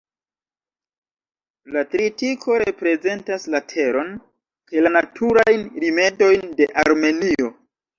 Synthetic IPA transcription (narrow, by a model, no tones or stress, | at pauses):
latɾitikʰo̞ɾe̞pɾe̞ze̞ntaslatʰe̞ɾo̞n | kajlanatʰuɾajnɾime̞do̞jnde̞ʔaɾme̞nio̞